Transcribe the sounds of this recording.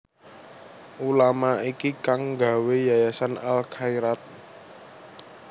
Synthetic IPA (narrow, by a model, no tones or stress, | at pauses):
ʔulamaikikaŋɡa̤wejajasanalkʰaiɾat̪̚